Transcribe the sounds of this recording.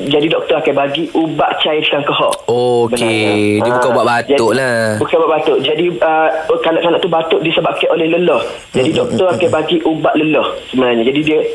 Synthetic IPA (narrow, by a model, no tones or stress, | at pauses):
d͡ʒadidɔk̚t̪ɔɾakajbaɡiʔubaʔt͡ʃajtkaŋkəɦɔ̰ʔobənediəbkabuaʔbat̪d͡ʒaʊʔlabukabaʔbat̪ʊʔd͡ʒadiəkanaʔkanaʔt̪ubat̪ʊʔdiəsəbakaʔolɛhləlɔh | d͡ʒadidɔk̚t̪ɔɾakajbaɡiʔubaʔləlɔhsəmənaɲad͡ʒadidiə